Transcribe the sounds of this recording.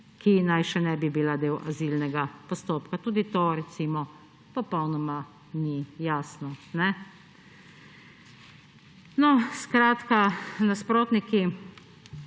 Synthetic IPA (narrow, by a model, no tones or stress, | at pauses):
kinajʃɛnɛbibilad̪eːwʔazilnɛɡapɔst̪oːpkat̪uːd̪it̪oɾɛt̪simɔ | pɔpɔwnɔma | nijaːsnɔnɛ | nɔskɾaːt̪kanaspɾoːt̪niki